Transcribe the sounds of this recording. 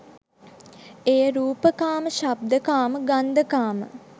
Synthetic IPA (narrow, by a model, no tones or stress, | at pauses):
eːəɾuːpəkaːməʃab̚d̪əkaːməɡand̪əkaːmə̰